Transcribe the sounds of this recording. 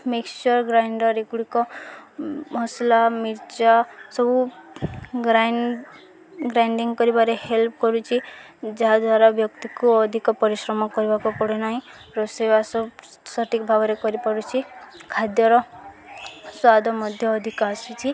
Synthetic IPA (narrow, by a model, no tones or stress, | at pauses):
mekst͡ʃɔɾɡɾajɳɖɔɾekuɽikɔ | mɔslamiɾt͡ʃasɔbu | ɡɾa | ɡɾajɳɖiŋkɔɾibaɾehelp̚ʰkɔɾut͡ʃʰi | d͡ʒaɦad̪waɾabjɔkt̪ikuɔd̪ʱikɔpɔɾisɾɔmɔkɔɾibakɔpɔɽenaɦĩ | ɾɔsebasɔb | sɔʈikɔbʱabɔɾekɔɾipɔɾut͡ʃʰikʰad̪jɔɾɔ | swad̪ʱɔmɔd̪ʱjɔːd̪ʱikasut͡ʃʰi